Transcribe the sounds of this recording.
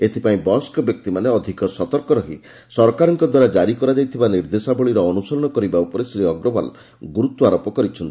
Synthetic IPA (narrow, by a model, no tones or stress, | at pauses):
et̪ʰipaĩbɔskɔbjɔk̚t̪imaneɔd̪ʱikɔsɔt̪ɔɾkɔɾɔɦi | sɔɾkaɾɔŋkɔd̪waɾad͡ʒaɾikɔɾad͡ʒajt̪ʰibaniɾd̪esabɔɭiɾɔːnusɔɾɔɽ̃ɔkɔɾibaupɔɾesɾiɔɡɾɔba̰l | ɡuɾut̪wɔaɾɔpɔkɔɾit͡ʃʰɔnt̪i̥